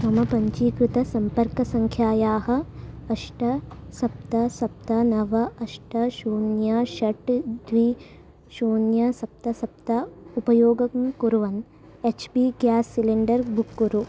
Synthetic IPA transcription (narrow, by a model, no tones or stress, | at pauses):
sɐmɐpɐɲt͡ʃiːkɾut̪ɐsɐmpɐɾkɐsɐŋkʰjaːjaːɦɐ̆ɐʂʈɐsɐp̚t̪ɐsɐp̚t̪ɐnɐʋɐʔɐʂʈɐʃuːnjaʃɐʈd̪ʋi | ʃuːnjɐsɐp̚t̪ɐsɐp̚t̪ɐupɐjoːɡɐkmkuɾuʋɐn | et͡ʃbiɡjaːsːiliɳɖɐɾbukːuɾu